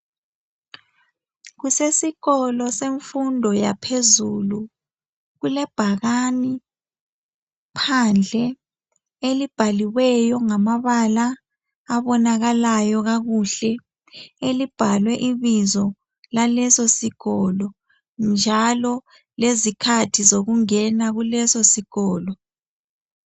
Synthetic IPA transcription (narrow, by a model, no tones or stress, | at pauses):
ɣusesiɣɔlɔseɱfundʱɔja̰pʰezulu | ɣulɛb̥ʱaɣani | pʰand͡ɮʱɛ | elib̥ʱaliwɛjɔŋamaβalaː | βɔnaɣalajɔɣaɣuɬɛ | elib̥ʱalwɛʔiβizɔ | lalɛsosiɣ̥ɔlɔ | nd͡ʒʱalɔ | lezikʰatʰizoɣuŋɛnaɣulɛsosiɣ̥ɔːlɔ